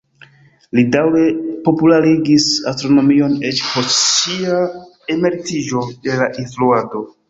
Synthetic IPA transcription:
lidawɾe̞po̞pulaɾiɡisastɾo̞no̞mio̞net͡ʃposia | eme̞ɾtid͡ʒo̞de̞laʔinfluado̞

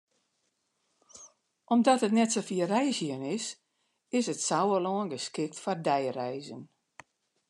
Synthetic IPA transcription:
ʔɔmdɔtətnɛtsofiərɛjsjənɪs | ɪsətsawəloːənɡəskɪk̚tfɔrdɛjrɛjzən

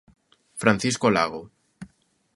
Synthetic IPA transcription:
fɾanθiskolaɣ̞o

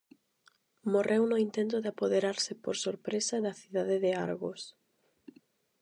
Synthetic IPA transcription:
morʔewnʊint̪ẽnt̪ʊðɪapoðeɾaɾsɪpoɾsoɾpɾesaðɐθiðaðɪðɪa̰ɾɣos

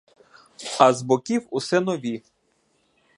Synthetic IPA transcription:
ɐzbɔkʲiwʊsɛnɔʋʲi

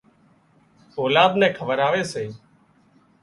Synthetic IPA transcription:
oːlaːd̪nɛ̃ːkʰəʋəɾaːʋeːseː

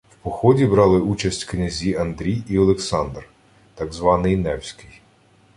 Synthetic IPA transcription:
wpɔxɔdʲibɾɑlˠɪut͡ʃɐsʲtʲknʲɐzʲiɐnd̪ɾʲijiɔlˠeksɑnd̪r | t̪ɑɡzʋɑnɪjnɛwsʲkɪj

